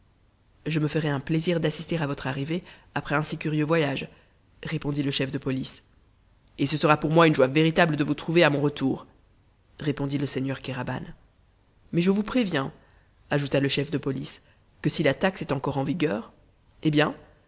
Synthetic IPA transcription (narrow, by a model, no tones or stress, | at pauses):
ʒəməfəʁɛɛ̃pleziʁd̪asist̪eʁavɔt̪χaʁiveapχɛɛ̃sikʲyʁjøvwajaʒ | ʁepɔ̃d̪iləʃɛfd̪əpɔlis | esəsəʁapuʁmwaynʒwaveʁit̪abləd̪əvut̪χuveamɔ̃ʁət̪uːʁ | ʁepɔ̃d̪iləsɛɲœʁkaʁaba̰n | mɛʒəvupχevjɛ̃ | aʒut̪aləʃɛfd̪əpɔlis | kəsilat̪aksɛt̪ɑ̃kɔʁɑ̃viɡœːʁ | ebjɛ̃